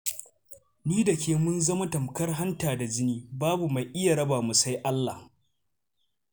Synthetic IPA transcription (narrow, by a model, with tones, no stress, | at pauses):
niː˦dɐ˨kʲeː˨mʊ˦nzɐ˦ma˦tɐ˨mkɐ˦rɦa˦ntaː˨da˨d͡ʒɪ˦niː˦baː˦bu˨ma˨jʔɪ˦ja˨ɾɐ˦baː˨mu˨sa˦jʔa˦lːa˨h